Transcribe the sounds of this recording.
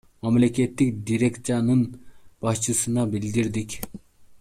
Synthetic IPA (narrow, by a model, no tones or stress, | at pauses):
mamlʲekʲʰet̪ːik̚d̪iɾekt͡s̪anɯnb̥ɑst͡ʃʰɨsɨnɑbild̪iɾd̪ikʲ